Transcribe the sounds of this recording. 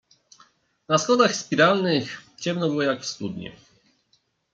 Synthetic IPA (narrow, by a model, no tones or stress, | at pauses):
nasxɔd̪axspʲiɾalnɘxt͡ɕɛmnɔbɘwɔjakfst̪ud̪ɲɛ̰